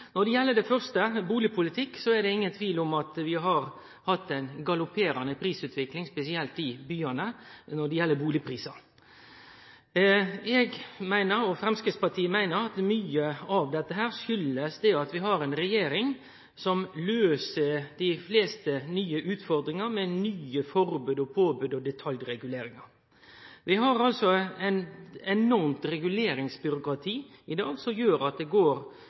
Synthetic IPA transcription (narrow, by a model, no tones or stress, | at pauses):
nɔɖ̪ɛjɛlːəd̪ɛfœʁst̪əbuːlɪpʰʊlɪt̪ʰɪkːsɔɛd̪ɛɪŋːənt̪ʰʋiːlʊmɑt̪ʋɪɦɑɾ | hɑt̪ːæɪnɡɑlʊpʰeːɾɑnəpʰɾiːsʉːt̪ʋɪklɪŋspɛsɪɛlt̪ɪbyːɑnənɔɖ̪ɛjɛlːəbuːlɪpʰɾiːsɑ | ɛɡmæɪnəɾɔfɾɛmskɾɪt̪spɑʈʰiːəmæɪnəɾɑt̪myːəɑʋd̪ɛt̪ːəɦæːɾʃʏləsd̪ɛɑt̪ʋɪɦɑɾɛɪnɾɛjeːɾɪŋ | sɔmløːsəd̪ɪfleːst̪ənyːəʔʉːt̪fɔɾd̪ɾɪŋɑmɛnyːəfɔɾbʉːd̪ɔpʰoːbʉːd̪ɔd̪ɛt̪ʰɑljɾɛɡʉleːɾɪŋɑɾ | ʋɪɦɑɾɑlsɔæɪnɛnɔɾmt̪ɾɛɡʉleːɾɪŋsbʏɾʊkɾɑt̪ʰiːɪd̪ɑːɡsɔmjøːɾɑt̪̚d̪ɛɡoːɾ